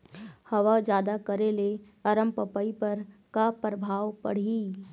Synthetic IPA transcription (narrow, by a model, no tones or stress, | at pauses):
hɐʋad͡ʒjaːd̪akəɾele | ɐɾəmpəpəipɐɾkapɾəbʱaːwpɐ̰ɽ̤i